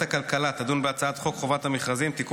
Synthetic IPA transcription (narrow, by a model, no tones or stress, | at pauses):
akalkalat̪ad̪unbeat͡saat̪χokχo̞vat̪hameχazimt̪ik